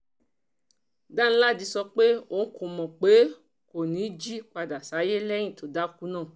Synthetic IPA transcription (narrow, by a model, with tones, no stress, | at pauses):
da˦ñ̩˦la˦˨di˧sɔ˧k͡pe˦o˦n̩˦ko˨˧mɔ̃˨k͡pe˨˦ | ko˨nĩ˨˦d͡ʒi˦k͡pa˧da˨sa˨˦je˦lɛ˦j̃ĩ˦˨to˨da˦ku˦nãː˦˨